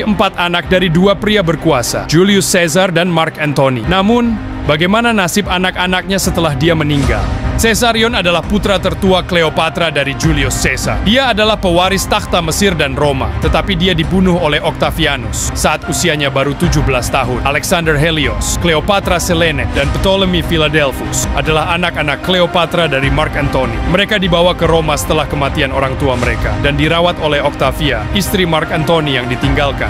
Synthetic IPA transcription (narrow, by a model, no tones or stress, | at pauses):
əmpat̪anak̚daɾiduapɾiabərkuasa̰d͡ʒuliʊsːɛzardanmarkɛnt̪onḭnamʊn | baɡajmananasɪpanakanak̚ɲasət̪əlahdiaməniŋɡa̰lsesaɾiɔnadalahput̪ɾat̪ərt̪uakleopat̪ɾadaɾid͡ʒuliʊsːɛza̰rdiaːdalahpəwaɾɪst̪akt̪aməsɪrdanroma̰t̪ət̪apidiadibunʊholɛhɔk̚t̪afianʊsːaʔat̪usiaɲabaɾut̪ud͡ʒʊhbəlast̪aɦʊnʔalɛksandərɦeliɔskleopat̪ɾasəlenɛdanpət̪oləmifiladɛlfusʔadalahanakanakkːleopat̪ɾadaɾimarkant̪oniməɾekadibawakəɾomasə̥t̪əlahkəmat̪ianoɾaŋt̪uaməɾekadandiɾawat̪olɛhɔk̚t̪afiaist̪ɾimarkant̪onijaŋdit̪iŋɡalka̰n